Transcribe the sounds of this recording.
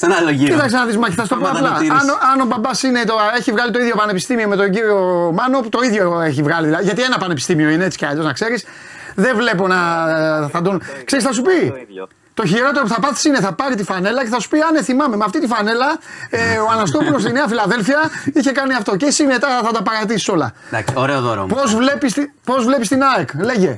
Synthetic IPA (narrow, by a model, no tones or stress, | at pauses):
lit̪ɐksenɐðizmɐce̥θɐsut̪opoɐpplɐnoɐno̞bɐbɐsine̞t̪oe̞çivɣɐlit̪o̞iðʝo̞pɐne̞pist̪imio̞me̞t̪o̞ɲɟiɾio̞mɐno̞put̪o̞iðʝoe̞çivɣɐliðilɐðiʝɐt̪ienɐpɐnepi̥st̪imio̞ineet͡si̥cɐʎoznɐkse̞ɾis | ðe̞vle̞po̞nɐθɐd̪onkse̞ɾisθɐs̬upi | t̪o̞çiɾo̞t̪e̞ɾopuθɐpɐθi̥sine̞θɐpɐɾit̪ifɐne̞lɐce̞θɐsu̥piɐneθimɐme̞meɐft̪it̪ifɐne̞lɐeoɐnɐst̪opulost̪ine̞ɐfilɐðe̞lfiɐiçe̞kɐniɐft̪o̞ceisime̞t̪ɐθɐd̪ɐpɐɾɐt̪isi̥so̞lɐ̰ | ksoɾeoðoɾ̰po̞zvle̞pist̪ipo̞zvle̞pist̪inɐekle̞ʝe̞